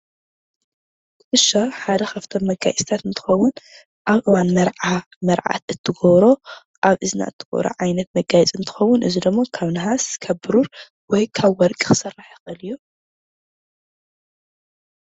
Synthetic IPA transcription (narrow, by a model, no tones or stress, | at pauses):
ɨɨʃːaħad̪ɐxɐft̪ʰomːɐɡa̰jsʼt̪ʰat̪ɨnt̪ʰɨ̥xɐwːʊn | ʔaβʔɨwanmɐɾʕa | mɐɾʕa̰t̪ɨt̪ʰːɨɡoβɾo̞ | ʔaβɨzɨna̰ʔɨt̪ʰːɨɡ̥o̰βɾo̰ʕajnɐt̪mɐɡajɛt͡sʼɨnt̪ʰɨ̥xɐwːʊnʔɨzid̪ɨmːokʰaβnɐɦaskʰɐbɨɾuɾ | wɔjkʰaβwɔɾkʼixɨ̥sɐraħixʼɨlijːu